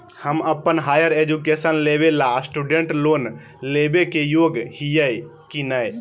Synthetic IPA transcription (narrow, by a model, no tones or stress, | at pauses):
həməpːənɦaːjəɾed͡ʒukesənlebelasʈuɖeɳʈloːn | lebekejoɡhijəj | kinəj